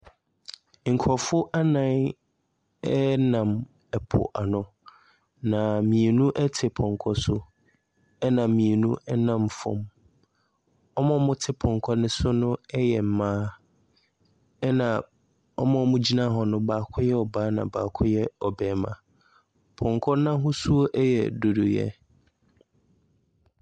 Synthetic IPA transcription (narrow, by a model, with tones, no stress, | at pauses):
ŋ̩˨kʰɔ˨fʊ˦ʔa˦nã˦˨n | ɛ˦nã˨m | ɛ˨pʰʊ̰˨ʔa˨nʊ̃˦ | nã˨mĩ˨e˨nũ˦ʔɛ˦tʰɪ˨pʰɔ̃˨ŋkʰɔ˦sʊ˦ | ɛ˦nã˨mː˨ĩ˨e˨nũ˦ʔɛ˦nã˦˨mfɔ̰̃˨m | ɔ˦mɔ̃˦mʊ̃˦tʰɪ˦pʰɔ̃˨ŋ˨kʰɔ˦nʊ̃˦sʊ˦nʊ̃˦ɛ˦jɛ˨m̩˨mãː˦ | ɛ˦nã˨ | ɔ̰˦mɔ̃˨˦mʊ̃˦d͡ʑi˦nã˦ɦɔ˨nʊ̃˦baː˨kʰɔ˦jɛ˦ɔ˨baː˨˦nã̰˨baː˨kʰɔ˦jɛ˦ɔ˨bɛː˨mã̰˨ | pʰɔ̃˨ŋkʰɔ˦nã˦ɦʊ̃˦su˦o˦ʔɛ˦jɛ̰˨do˨du˨jɛ̰˦